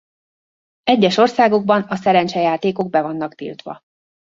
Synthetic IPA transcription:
ɛɟːɛʃo̞rsaːɡo̞ɡ̚bɒnɒsɛɾɛnt͡ʃɛjaːt̪eːko̞ɡ̚bɛvɒnːɒkt̪ḭːlt̪ʋɒ̰

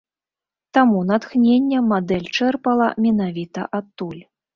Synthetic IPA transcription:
t̪amunat̪xnʲenʲːɛmad̪ɛlʲt͡ʂɛrpɐlˠɐmʲɛnavʲit̪ɐ̰ʔat̪ːulʲ

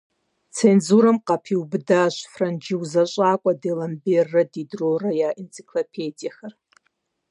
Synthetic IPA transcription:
t͡sʰenzuɾamqʼapʰiwbdaʒʷfrand͡ʒiwzaɕʷʼaːkʷʼadelamberːadidrorajaent͡sʰʼi̥kʰlopʰedijaxɐr

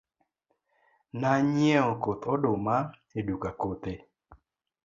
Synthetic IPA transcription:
naɲjɛokot̪odoma | edukakot̪e

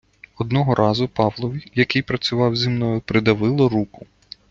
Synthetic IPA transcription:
ɔd̪nɔɦɔɾʔɑzʊpɑʋlˠɔʋʲijɐkɪjpɾɐt͡sʲʊʋɑwzʲimnɔjʊpɾɪd̪ɐʋɪlˠɔɾukʊ

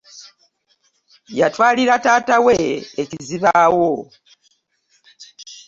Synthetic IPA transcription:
jatwaːliɾataːtawe̞eciziβawo

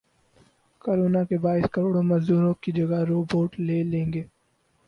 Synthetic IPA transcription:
koːɾoːnakebaːɪskɐɾoːɽõmɐzd̪uːɾõkid͡ʒɐɡaɾoːboːʈleːlẽːŋɡeː

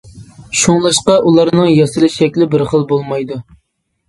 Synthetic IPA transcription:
ʃuŋlˠɨʃqɑʔulˠɑɾnɨŋjɑsɨlɨʃɛkʲlɪbɪɾχəlˠbolˠmɑjd̪u

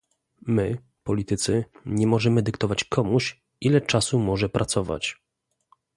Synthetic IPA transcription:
mɘ | pɔlʲit̪ɘt̪sɘɲɛmɔʐɛmɘd̪ɘkt̪ɔvat͡ɕkʰɔmuɕ | ʔilɛt͡ʂasumɔʐɛpɾʔat̪sɔva̰t͡ɕ

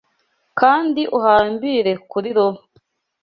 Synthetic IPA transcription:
kaːndiʔuhaːmbiːɾe̞kuɾiɾom

